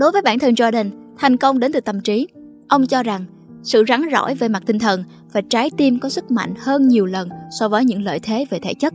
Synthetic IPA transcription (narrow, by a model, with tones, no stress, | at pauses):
ɗo˨˦jvəː˨˦jɓa̰ː˧˩˨nt̪ʰɨ˨˩nzaː˧ɗi˨˩ŋ̟t̪ʰa˨˩jŋ̟kə˧wŋ͡mɗe˨˦nt̪ɨ˨˧˩t̪ə˨˩mt͡ɕi˨˦ | ʔə˧wŋ͡mt͡ɕɔ˧za˨˩ŋ | sɨ̰˧˨za˨˦ŋzɔ̰˧˥˨jve˨˩ma˨˩t̚t̪ï˧ŋt̪ʰə˨˩n | vaː˨˩t͡ɕaː˨˦jt̪i˧mkɔ˨˦sɨ˦˥k̚ma̰˧˨jŋ̟həː˧nɲi˨˩əwlə˨˩nsɔ˧vəː˨˦jɲɨ̰˧˥ŋlə̰ː˧˨jt̪ʰe˨˦ve˨˩t̪ʰḛ˧˥t͡ɕə˦˥t̚